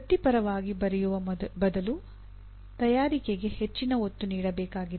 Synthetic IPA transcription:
ɐt̪ipɐɾɐʋaːɡibɐɾɛjuʋɐbɐd̪ɐlu | t̪ɐjaːɾikeɡe̞het͡ʃːinɐot̪ːuniːɽɐbɛːkaːɡid̪

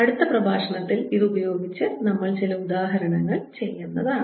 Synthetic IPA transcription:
ɐɽut̪ːɐprɐbʱaːʂɐɳɐt̪ːiliðɨubɐjo̞ːɡit͡ɕːɨnɐmːɐɭt͡ɕilɐud̪aːɦɐɾɐɳɐŋːɐɭt͡ɕe̞jːenːɐðaː

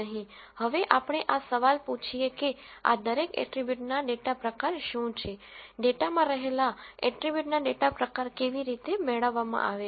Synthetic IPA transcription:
əɦĩ | həʋeʔapɳ̃eʔasəʋalput͡ʃʰijekea̰d̪əɾekɛ̰ʈɾibjuʈnaɖeʈapɾəkaɾʃũt͡ʃʰeɖeʈamãɾəɦelaɛ̰ʈɾibjuʈnaɖeʈapɾəkaɾkeʋiɾit̪emɛɭəʋːamã̰ʔaʋe

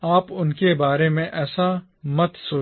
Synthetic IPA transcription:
aːpʊnkebaːɾemẽʔɛːsa | mɐt̪soː

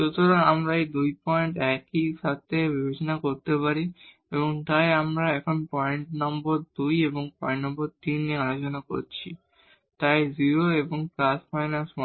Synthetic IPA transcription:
ʃot̪ʰoɾaŋamɾaejd̪ujpɔeɳʈɛkiʃat̪ʰebibʱet͡ɕonakoɾt̪epaɾi | eboŋt̪ajamɾaɛkʰonpɔeɳʈnɔmboɾd̪ujeboŋpɔẽɳʈnɔmboɾt̪inːiealot͡ɕonako̰ɾt͡ɕʰi | t̪ajziɾoeboŋplasfajnasɔ

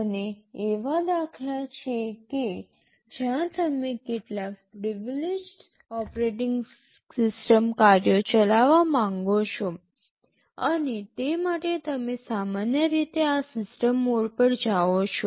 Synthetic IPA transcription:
əneːʋad̪akʰlat͡ʃʰeke | d͡ʒjãt̪əmekeʈlapɾiʋled͡ʒɖ | ɔpɾeʈɪŋɡ | sɪsʈəmkaɾjot͡ʃəlaʋamãŋɡot͡ʃʰo | ənet̪emaʈet̪əmesamanjəɾit̪easɪsʈəmːoɽpəɽd͡ʒaʋot͡ʃʰo

